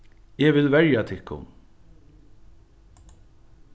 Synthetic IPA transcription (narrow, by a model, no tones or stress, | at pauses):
ɛvɪlvɛɹjat̪ʰɪkːʊ̰n